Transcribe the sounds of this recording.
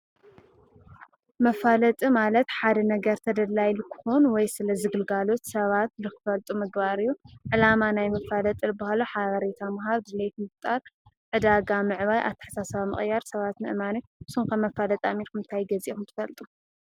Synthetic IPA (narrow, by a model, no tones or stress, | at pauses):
mɐfalɐt̪ʼimalɐt̪ħad̪ɐnɐɡɐɾt̪ʰɐd̪ɐlːajlkʰɨ̥xonwɔjsɨlɐzɨɡɨlɡalo̞t̪sɐβat̪̚lɨkʰɨ̥fɐlt̪ʼumɨɡbaɾɨjːuʕɨlamanajmɐfalɐt̪ʼɨlbahaluħaβɐɾet̪ʰamɐɦaβd̪ɨlet̪mɨft̪ʼaɾ | ʕɨd̪aɡamɨʕβajʔa̰βt̪ʰːɨ̥ħsasɐβamɨ̰χʼjaɾsɐβat̪nɨ̰ʔɨmaniɨsumkʰɐmːɐfalɐt̪ʼamiɾkɨmɨnt̪ʰajɡɐzixumt̪ʰɨ̥fɐlt̪ʼu